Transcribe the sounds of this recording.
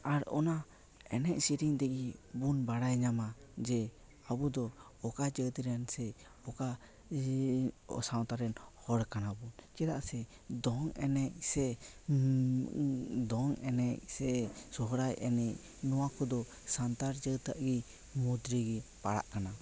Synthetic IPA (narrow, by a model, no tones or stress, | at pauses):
aɾɔ̰na | ɛnɛc̚siɾiŋt̪ɛɡibunbaɽajɲamad͡ʒɛ | abud̪ɔ | ɔkad͡ʒət̪ɾansɛ | ɔka | saw̃t̪aɾɛnhɔɽkanabunt͡ʃɛd̪aʔsɛ | d̪ɔŋɛnɛc̚sɛ | d̪ɔŋɛnɛc̚sɛsɔɦɔɾajʔɛnɛc̚ | nɔwakɔd̪ɔ | sant̪aɾd͡ʒət̪aʔɡi | mud̪ɾiɡipaɽa̰ʔkana